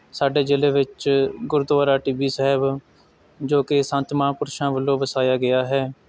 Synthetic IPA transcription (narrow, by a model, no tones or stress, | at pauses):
saːɖeːd͡ʒeːleːʋɪt͡ʃɡʊɾʊd̪ʋaːɾaːʈiːʋiːsəɦɪb | d͡ʒoːkɪsə̃nt̪maːpʊɾʃãːʋəlːõːʋəsaːjaːɡɪjaːɦɛː